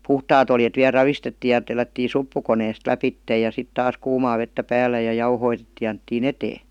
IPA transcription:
puhtɑːt oljet ʋiæ rɑʋistetːiː jɑ telːætːin̞ supːukoneːst læpitːej jɑ sit tɑːs kuːmɑː ʋetːæ pæːlːæ jɑ jɑuhoitetːiː jɑ ɑnetːiːn eteː

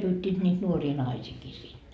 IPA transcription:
pyːtʲːiːt niːt nuoriː nɑisiːkiː sinːe

